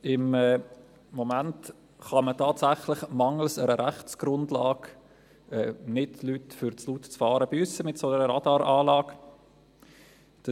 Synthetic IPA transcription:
ɪmɛː | omænt | χɑmətʰɑːtsæχlɪχmɑŋəl̩səɾəɾæχtt͡sɡ̥ɾʊndlɑːɡ | ɛːnɪdlytfʏɾt͡slutt͡sfɑːɾəbyəsəmɪtsonəɾəɾɑdɑːɾɑːlɑːk | d̥

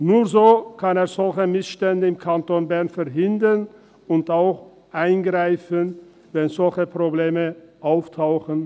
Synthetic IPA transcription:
nuːɐzoːkʰaneːɐz̥ɔlçəmɪsʃtɛndəɪmkʰantoːnbɛʁnfɛɐɦɪndən | ʊntaʊx | ʔaɪnɡʁaɪfən | vɛnzɔlçəpʁ̥obleːməʔaʊftʰaʊxən

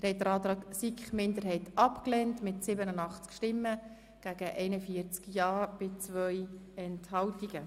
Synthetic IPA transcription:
əɾhɛt̚əɾɑːt̪ɾɑːksikχmɪndəɾɦɛɪtɑpklɛːntmɪtsɪbənənɑχt͡skʃtɪmːə | ɡ̥æːɡ̥əʔɛɪnəfiːəɾt͡skjɑːb̥ɪt͡sʋœjɛnthɑwtiɡ̥ə

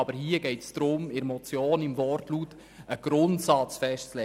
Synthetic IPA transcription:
ɑbəɾhiəɡ̥ɛɪtsd̥̪ɾʊmɪɾmɔt͡sjoːnɪmvɔrtlut | əɡ̥ɾʊntsɑt͡sfɛʃtt͡slɛ

